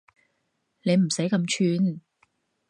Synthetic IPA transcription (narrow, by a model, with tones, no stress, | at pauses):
ne˨˧jm̩˨˩sɐ˨˥jkɐ˧mt͡ʃʰyː˧n